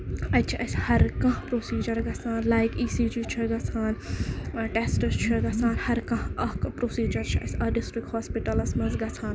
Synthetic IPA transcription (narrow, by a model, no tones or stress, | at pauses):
ɐt͡ʃʰiʔɐsʲhɐɾkɐ̃ɦpɾoːsiːd͡ʒɐɾɡɐt͡sʰaːnlaːjkiːsiːd͡ʒit͡ʃʰiɡɐt͡sʰaːn | ʈesʈɐst͡ʃʰiɡɐt͡sʰaːnhɐɾkɐ̃ɦɐkpɾosiːd͡ʒɐɾt͡ʃʰiɐ̰sʲɐɖisʈɾik̚haːspiʈɐlɐsmɐnzɡɐt͡sʰaːn